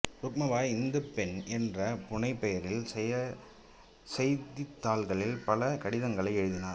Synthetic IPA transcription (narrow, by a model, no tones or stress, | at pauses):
ɾʊk̚mɐʋaːɪnd̪ɐpɛnʔɛndrɐpʊɳɐɪpːɛjɐɾɪlsɛjɐ | sɛjt̪ːɪt̪ːaːlɣɐɭɪlpɐlɐkɐɽɪðɐŋɡɐɭɐɪɛɻɯðɪnaː